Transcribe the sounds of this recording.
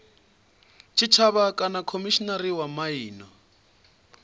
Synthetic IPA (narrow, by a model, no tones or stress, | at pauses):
t͡ʃʰit͡ʃʰaβakʼanakʰomiʃinaɾiwamaiːnɔ